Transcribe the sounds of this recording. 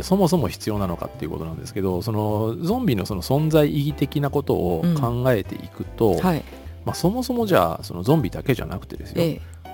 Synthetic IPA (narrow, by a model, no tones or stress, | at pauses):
so̞mo̞s̬o̞mo̞çi̥t͡sɨjo̞ːnano̞ka̰t̪ːe̞iɯ̟ko̞t̪o̞nãnd̪e̞sɨ̥ke̞d̪o̞so̞no̞d͡zõ̞mbʲino̞so̞no̞sõ̞nzaiʔiɡʲit̪e̞kʲinako̞t̪o̞ʔːkʰãŋɡae̞t̪e̞̰ʔikɯ̟t̪o̞hi | maso̞mo̞so̞mo̞ʑa̰ːso̞̰no̞zõ̞mbʲid̪ake̞ʑa̰na̰kɯ̟̥t̪e̞d̪e̞sɨjo